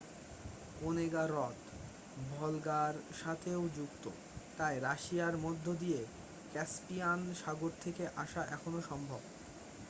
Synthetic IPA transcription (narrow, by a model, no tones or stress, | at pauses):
oneɡaɾɔt̪ | bʱɔlɡaɾʃat̪ʰeod͡ʑukt̪o̰ | t̪ajɾaʃiaɾmod̪ʱːod̪ije | kɛspianʃaɡoɾt̪ʰekeʔaʃaʔɛkʰonoʃɔmbʱob